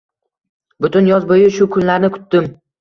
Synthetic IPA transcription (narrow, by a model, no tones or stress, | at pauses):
bʊt̪ʊnjɒzbojɪʃʊkʰʊnlaɾnɪkʰʊ̥t̪ːɪm